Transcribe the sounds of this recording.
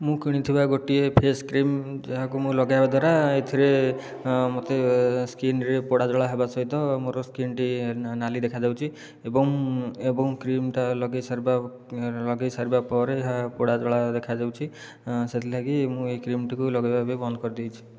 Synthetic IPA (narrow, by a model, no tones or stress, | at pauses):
mũkiɽ̃it̪ʰibaɡoʈiepʰeskɾimd͡ʒeɦakumũlɔɡajbad̪waɾaet̪ʰiɾe | mot̪eskinɾepoɽad͡ʒɔɭaɦebasɔit̪ɔmoɾɔskinʈinalid̪ekʰad͡ʒawt͡ʃʰi | ebɔŋebɔŋkɾimʈalɔɡesaɾba | lɔɡesaɾbapɔɾeːɦapoɽad͡ʒɔɭad̪ekʰad͡ʒawt͡ʃʰi | set̪ʰilaɡimũekɾimʈikulɔɡajbabebɔnd̪kɔɾid̪ijt͡ʃʰi̥